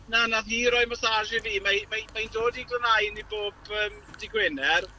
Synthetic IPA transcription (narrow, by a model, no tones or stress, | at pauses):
nanaðiːɾɔɨmɔsaʒɪviːmamamajndoːdiɡlˠənajniboːbəːm | dɪɡwɛnɛr